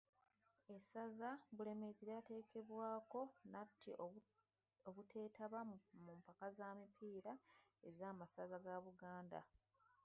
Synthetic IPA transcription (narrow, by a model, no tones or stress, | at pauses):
e̞sazaβule̞meziɾate̞ːkʰe̞βwaːko̞natʰːi | oβutʰe̞ːtʰaβamumpakazamipʰiːɾae̞zaːmasazaɡaβuɡaːnda̰